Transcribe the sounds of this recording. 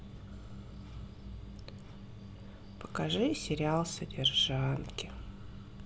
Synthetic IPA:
pə̥kɐʐɨsʲɪɾʲɪalˠsədʲɪrʐankʲɪ

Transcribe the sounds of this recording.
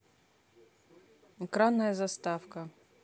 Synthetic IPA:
ɛkɾanːɐjɐzɐst̪afkɐ

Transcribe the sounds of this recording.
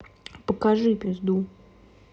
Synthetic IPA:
pəkaʐɨpʲɪzd̪u

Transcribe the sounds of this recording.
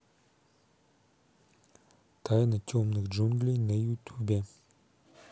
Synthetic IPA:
t̪ʰajənət͡ɕomnək̚ɦd͡ʑonɡlinəjut̪ʰuba

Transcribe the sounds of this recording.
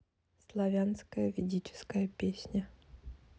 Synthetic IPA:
slˠɐvʲanskəjəvʲɪdʲit͡ɕɪ̥skəjəpʲesʲnʲə

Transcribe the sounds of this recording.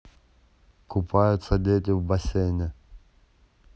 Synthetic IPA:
kʊpʰajʊt̪sɐd̪ʲetʲɪvbɐsʲenʲɪ

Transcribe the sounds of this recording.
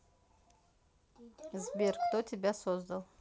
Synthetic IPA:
zbʲerkt̪otʲɪbʲasozd̪ɐlˠ

